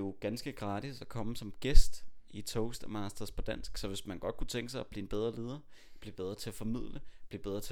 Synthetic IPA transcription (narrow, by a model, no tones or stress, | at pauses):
jo̝ɡ̥ænsɡ̥əɡ̥ʁɑ̈ːd̥isækʰɒ̽məsɒ̽mɡ̥esd̥it͡sʰɔʊsd̥mɑsd̥ɐspʰɒ̽d̥æn̰sɡ̥sɒ̽ʋe̝smænɡ̥ɒ̽d̥̚kʰut͡sʰeŋɡ̥əsɑɪb̥lḭːenb̥eð̞ˠʁɐle̝ːð̞ˠɐb̥lib̥eð̞ˠʁɐt͡sʰe̝æfɒ̽mið̞̰ˠləb̥lib̥eð̞ˠʁɐt͡sʰe̝